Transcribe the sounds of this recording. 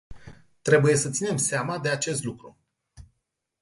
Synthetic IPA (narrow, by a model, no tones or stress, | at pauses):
t̪ɾe̞buje̞sət̪sine̞mseamad̪e̞at͡ʃe̞st̪lukɾu